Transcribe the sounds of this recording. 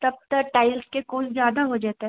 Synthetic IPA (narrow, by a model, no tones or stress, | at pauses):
t̪ɐb̚t̪ɐkʈaːɪlskekoːszjaːd̪aɦod͡ʒaːt̪eɦɛ